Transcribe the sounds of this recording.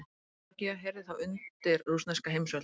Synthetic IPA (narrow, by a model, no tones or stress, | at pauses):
ciaɦɛɾðɪθawʏntt̪ɪɾrusnaskaɦejmsœ